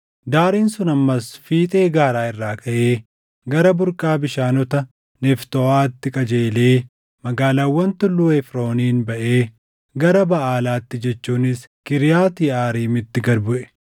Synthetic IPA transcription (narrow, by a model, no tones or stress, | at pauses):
d̪aːɾiːnsʊnɐmːɐsfiːt̪ʼe̞ːɡaːɾaːɪrːaːkʰɐʔeː | ɡɐɾɐbʊɾkʼaːbɪʃaːnɔt̪ɐ | nɛft̪ɔaːt̪ːɪkʼɐd͡ʒeːleː | mɐɡaːlaːwːɐnt̪ʊlːʊːɛfɾo̞ːniːnbɐʔeː | ɡɐɾɐbɐʔaːlaːt̪ːɪd͡ʒɛt͡ʃːuːnɪs | kɪɾɪjaːt̪iːaːɾiːmɪt̪ːɪɡɐɾbʊʔɛ̥